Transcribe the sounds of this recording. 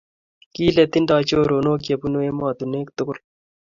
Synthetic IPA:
kiːlet̪inɖɑːt͡ɕoːɾoːnoːk̬ijɐpunoemɑːd̪uneːkt̪ukul

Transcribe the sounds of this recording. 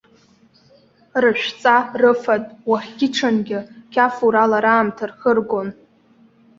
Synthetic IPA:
rɨʃᶣʷt͡sʼarɨfadʼwaχʲɡʲɪʈ͡ʂʰanɡʲɪkʲʰafuɾalaɾaːmtʰarχərɡo̞n

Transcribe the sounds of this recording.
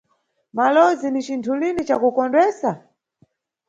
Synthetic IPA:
malɔzinit͡ʃintʰulinit͡ʃakukɔndwɛːsa

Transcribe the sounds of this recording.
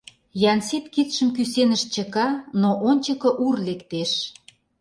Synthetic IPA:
jɑnsit̪kit̪ʃə̆mkysenəʃt͡ɕə̆kɑnoʔonʲt͡ɕəkɤ̆ʔurlekt̪eʃ

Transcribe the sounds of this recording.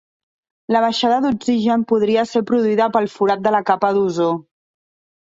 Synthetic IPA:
ləβ̞əʃaðəðuɡziʒəmpuðɾiəseɾpɾuðuiðəpəlˠfuɾat̪̚d̪ələkapəðuzo

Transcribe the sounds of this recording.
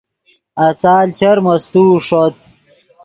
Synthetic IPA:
ɐsaːlt͡ɕɐɾmɐst̪uːʂot̪

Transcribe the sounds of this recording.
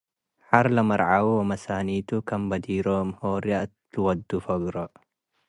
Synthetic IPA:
ħɐɾlɐmɐɾʕawwɐmɐsaːniːt̪ʊkɐmbɐd̪iːɾoːmhoːɾjaʔ | lwɐd̪ːufɐɡɾɐ

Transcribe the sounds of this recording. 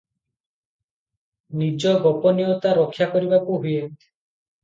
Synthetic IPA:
nid͡ʒɔɡɔpɔniot̪aɾɔkʰːjakɔɾibakuɦuje

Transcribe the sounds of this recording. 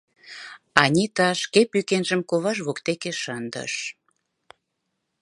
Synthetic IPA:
ɑnʲit̪ɑʃkepykenʒəmkoβɑʒβokt̪ekeʃənd̪ə̰ʃ

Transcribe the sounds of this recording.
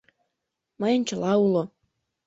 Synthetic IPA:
məjɤ̆nʲt͡ɕə̆lɑulo

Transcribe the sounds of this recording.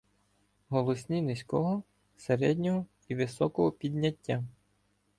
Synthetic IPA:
ɦɔlˠɔsʲnʲinɪsʲkɔɦɔ | seɾɛdʲnʲɔɦɔ | iʋɪsɔkɔɦɔpʲid̪ʲnʲɐtʲːa

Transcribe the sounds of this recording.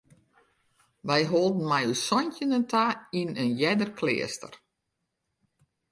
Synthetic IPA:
ʋɛjɦoːlˠdn̩mɛjusɔntjənəntʰainənjɛdərkʰlɪ̰əstə̰r

